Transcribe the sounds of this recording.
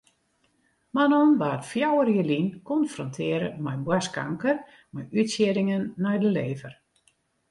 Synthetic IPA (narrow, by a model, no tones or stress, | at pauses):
manɔnʋaːətfjawəɾjəlinkɔnfrɔntʰɪːəɾə̰mɛjbwaska̰ŋkər | mɛjytsjiəɾɪŋənːɛjdəleːvər